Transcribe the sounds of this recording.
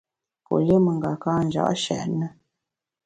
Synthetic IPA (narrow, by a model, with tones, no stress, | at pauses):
po̰˨le˦mə˨ŋɡa˨kaː˦n˨d͡ʒa̰˦ʔʃɛ̰˨ʔnə˦